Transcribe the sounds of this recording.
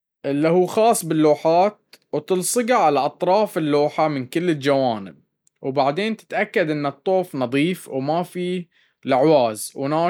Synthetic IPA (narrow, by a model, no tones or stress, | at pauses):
ʔɪlːihuːxɑːsˤːbɪlːoːħaːt̪̚wt̪ɨlsˤɨɡaʕalaʔɑt̪ˤɾˤɑːfɪlːoːħamɪnkɪlːɪld͡ʒawaːnɪ̰b̚ | wbaʕd̪eːnt̪ɪ̥t̪ʔakːad̪ʔɪnːɨt̪ˤːoːfnɑðˤiːfwmafi | laʕwaːzwnaː